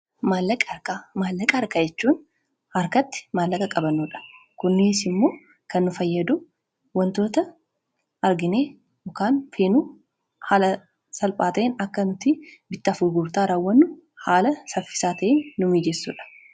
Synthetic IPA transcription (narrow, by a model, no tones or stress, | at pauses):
maːlːɐkʼɾkamaːlːɐkʼɐɐɾkaːd͡ʒɛt͡ʃːuːn | hɐɾkɐt̪ːɪ̥maːlːɐkʼɐkʼɐbɐnːuːᶑɐ̥kʊnːɪsɪmːo̞ː | kɐnːʊfɐjːɐd̪ʊ | wɐnt̪o̞ːt̪ɐ | ɐɾɡɪneː | ɔkaːnfeːnu | haːlɐ | sɐlpʼaːt̪ɐʔenɐkːɐnʊt̪ɪbɪt̪ːɪɐfʊɾɡuːɾt̪aːɾaːwːɐnːʊ | haːlɐsɐfɪ̥saːt̪ɐʔeːnːʊmiːd͡ʒɛsːuːᶑɐ̥